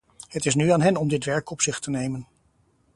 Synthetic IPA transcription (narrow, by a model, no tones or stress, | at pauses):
hətɪs̬nyaːnɦɛnɔmdɪtʋɛɹkɔpsɪχtənejmən